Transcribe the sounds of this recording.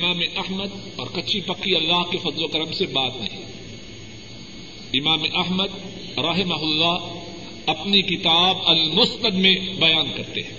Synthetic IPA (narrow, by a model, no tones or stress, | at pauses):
maːmeʔɐɦməd̪̚ | ɔːɾkɐt͡ʃʰipɐkːiɐlːaːɦkefɐzlokɐɾəmsebaːt̪nɐ̰ɦĩ | ɪmaːmeʔɐɦməd̪ | ɾɐɦɪmɐɦʊlːaɦ | ɐpnikɪt̪aːbɐlmʊsnəd̪mẽbɐjaːnkɐɾt̪ḛɦɛ̃ː